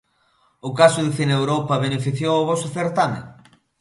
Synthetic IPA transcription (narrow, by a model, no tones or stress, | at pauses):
ʊkasʊðɪθinewɾopɐβenefiθjowoβɔsʊθeɾt̪amḛ